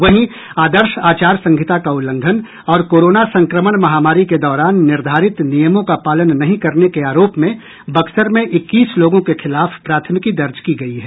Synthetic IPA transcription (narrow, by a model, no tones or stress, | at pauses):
ʋɐɦĩ | aːd̪əɾʃaːt͡ʃaːɾsɐ̃ŋɡʱɪt̪akaʊlːə̃ŋɡ̪ʱən | ɔːɾkoːɾoːnasɐ̃ŋkɾəməɽ̃mɐɦaːmaːɾiked̪ɔːɾaːnːɪɾd̪ʱaːɾɪt̪nijəmõkapaːlənːɐɦĩkɐɾnekeaːɾoːpmẽ | bɐksəɾmẽʔɪkːiːsloːɡõkexʰɪlaːfpɾaːt̪ʰmɪkid̪ɐɾd͡ʒkiɡɐiɦɛː